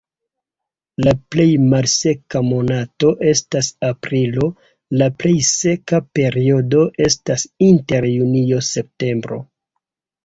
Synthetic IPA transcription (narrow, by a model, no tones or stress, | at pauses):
laple̞jmalse̞kamo̞nato̞ʔe̞stasapɾilo̞ | laple̞jse̞kape̞ɾio̞do̞ʔe̞stasinte̞ɾjunio̞se̞p̚te̞mbɾo̞̰